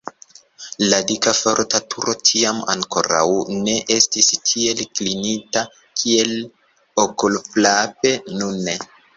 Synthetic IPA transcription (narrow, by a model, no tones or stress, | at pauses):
ladikafo̞ɾtatʰuɾo̞tʰiama̰ŋkoɾa̰wne̞ʔe̞stistʰie̞lklinita | kʰie̞l | okulplape̞nune